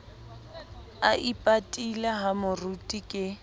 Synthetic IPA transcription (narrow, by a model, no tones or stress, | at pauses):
aʔipʼatʼilaɦamʊrutʼikʼɪ